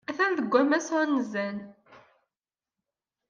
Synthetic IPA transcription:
æθænðəɡʷːæmæsʊnːəzæn

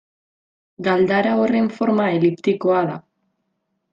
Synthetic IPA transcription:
ɡald̪aɾaore̞ɱfo̞ɾmaelipt̪iko̞aða

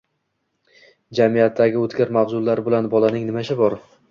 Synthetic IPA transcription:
d͡ʒamijat̪ʰːaɡʲɪot̪ɡʲaɾmawzʊlːaɾbɪlanbɒlanɪŋnɪmaʃʰɪbɒɾ

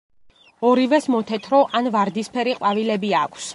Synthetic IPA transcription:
ɔɾivɛsmɔt̪ʰɛt̪ʰɾɔʔanvaɾd̪ispʰɛɾiqʼwavilɛbiakʰs

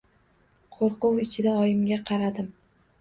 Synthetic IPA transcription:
qʰoɾqʊwɪt͡ʃʰɪd̪aɒjɪmɡʲaqʰɑɾad̪ɪm

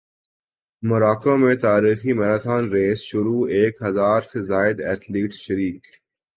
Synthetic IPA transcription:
mʊɾaːkãmẽt̪aːɾiːximɛɾat̪ʰaːnɾeːsʃʊɾueːkɦɐzaːɾsezaːɪd̪ɛːʈ̪liːʈʃɐɾiːk

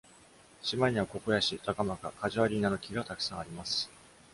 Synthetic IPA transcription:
ɕimaiɲ̟iβako̞ko̞jaɕit̪akamaka̰kaʑiβaɾʲinanokʲiɡat̪akɯ̟̥sãɰ̃aɾʲimasɨ̥

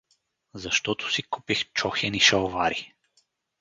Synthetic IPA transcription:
zɐʃt̪ɔt̪ʊ̥sikupixt͡ʃɔxɛniʃɐwvaɾi

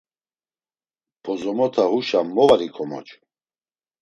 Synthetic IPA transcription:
pʰɔzɔmɔt̪ʰahuʃamːɔvaɾikʰɔmɔ̰t͡ʃʰʼ

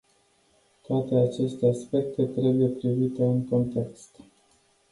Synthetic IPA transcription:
t̪oat̪e̞at͡ʃe̞st̪e̞aspe̞k̚t̪e̞t̪ɾe̞buje̞pɾivit̪e̞ɨŋko̞nt̪e̞kst̪

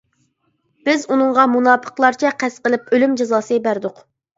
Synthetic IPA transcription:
b̥ɪzunɨŋʁɑmunɑːpʰə̥qlˠɑɾt͡ʃʰɛqʰɛsqəlˠɪpølymd͡ʒezɑːsɨbæɾd̪ʊq

